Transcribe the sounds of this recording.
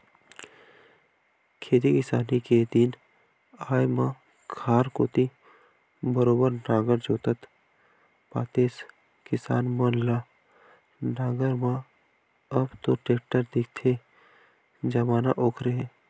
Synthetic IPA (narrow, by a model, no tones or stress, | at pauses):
kʰeːt̪̬ikɪsaːniked̪in | aːjmã | kʰaːɾkoːt̪i | bəɾoːbəɾnaːɡəɾd͡ʒoːt̪ət̪ | pa̰ːt̪eːs | kɪsa̰ːnmənla | naːɡəɾmã | ɐbt̪õʈeːk̚ʈəɾd̪ɪk̚ʰt̪ʰe | d͡ʒɐmaːnaʔoːkʰɾeɦɛ̃